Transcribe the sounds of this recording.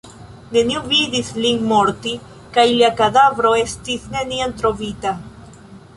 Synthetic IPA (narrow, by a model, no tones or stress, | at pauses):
nenjuβiðiθliŋmoɾt̪i | kajljakaðaβɾoest̪iθneniant̪ɾovit̪a